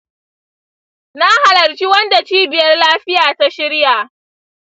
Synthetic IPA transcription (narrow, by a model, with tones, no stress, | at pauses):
na˦ha˨lɐ˨rt͡ʃi˦wɐ˦nda˨t͡ʃiː˦bɪ˨jɐ˦rlaː˦ɸɪ˦jaː˨ta˦ʃɪ˦ɽja˨ʔ